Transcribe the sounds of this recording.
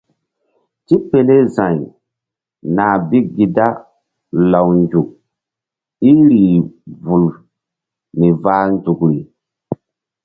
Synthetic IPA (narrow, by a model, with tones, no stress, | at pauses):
ti˦pe˨le˦zã˨j | naː˨bi˦ɡi˨da˦ | la˨wnd͡ʒu˨k̚ | i˦ɾiː˨vu˨l | ni˨vaː˦nd͡ʒu˨kɾi˨